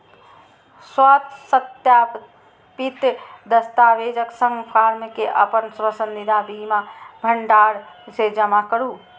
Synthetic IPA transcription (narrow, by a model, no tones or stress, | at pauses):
swat̪sət̪jaː | pit̪d̪əst̪aːʋeːd͡ʒəksə̃ŋɡpʰaːɾmkeʔəpənswəsənd̪id̪ʱabimabʱəɳɖaːɽ | sed͡ʒəmakəɾu